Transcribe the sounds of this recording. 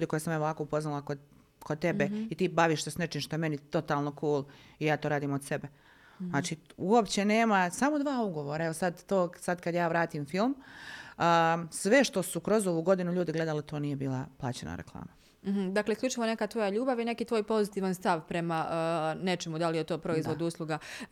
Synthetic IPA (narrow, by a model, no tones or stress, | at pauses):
ʎuːd̪iko̞jesamjeoʋaːkoupo̞znalˠako | kod̪̚t̪ebeit̪iːbaʋiːʃsesnet͡ʃiːmʃt̪o̞jeme̞nit̪o̞t̪aːlno̞kuːlˠijaːt̪oːɾaːd̪iːmod̪se̞be | naːt͡ʃiuopt͡ɕene̞ːmasamo̞d̪ʋaːuɡo̞ʋoːɾaeʋo̞sad̪ːoːsad̪kad̪jaːʋɾaːt̪iːmfilˠm | əsʋe̞ʃt̪o̞sukɾo̞zo̞ʋuːɡo̞d̪inuʎuːd̪iɡle̞d̪alit̪o̞ːnijebiːlˠapla̰ːt͡ɕena̰ɾḛklˠa̰ːma | m̩ɦ̩d̪akleiskʎut͡ʃiʋo̞ne̞kat̪ʋo̞jaʎuːbaʋine̞kiːt̪ʋo̞ːjpo̞zit̪iːʋanst̪aʋpɾe̞manet͡ʃemud̪alijet̪o̞ːpɾo̞izʋo̞d̪uuslˠuɡa